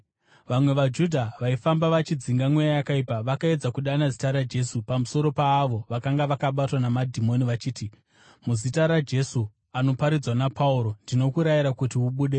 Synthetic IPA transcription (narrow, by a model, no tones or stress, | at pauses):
ʋamwe̞ʋad͡ʒudʱaʋaifambaʋat͡ʃid͡ziŋɡamwejajakaipaʋakae̞d͡zakuɗanazitaɾad͡ʒe̞supamuso̞ɾo̞paːʋo̞ʋakaŋɡaʋakaɓatwanamadʱimo̞niʋat͡ʃiːti | muzitaɾad͡ʒe̞su | ano̞paɾid͡zwanapʰauɾo̞ndino̞kuɾaiɾakutiuɓuːɗe